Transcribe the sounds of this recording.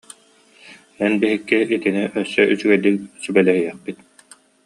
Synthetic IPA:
ɛnbiɦikːiʔit̪iniʔœsːœʔyt͡ɕyɡɛd̪iksybɛlɛhijɛχpit̪̚

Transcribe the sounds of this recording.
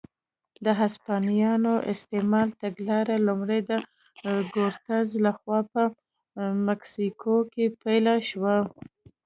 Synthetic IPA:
d̪əɦaspɑnijɑnoʔɪst̪emɑlt̪aɡlɑɾalumɽejd̪ə | ɡoɾt̪azlaxwɑpə | maksikʰokepajlaʃwa

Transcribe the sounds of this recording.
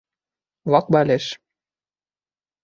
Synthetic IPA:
lɑk̚bɑlʲeʃ

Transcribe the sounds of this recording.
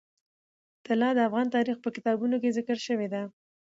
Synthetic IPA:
t̪ɪlɑd̪əafɣɑnt̪ɑɾixpəkɪt̪ɑbunok̬ezɪkəɾʃəwed̪a

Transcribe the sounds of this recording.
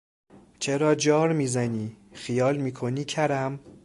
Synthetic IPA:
t͡ʃʰeɾɒːd͡ʒɒːɾmiːzæniːxijɒːlmiːkʰoniːcʰæɾæm

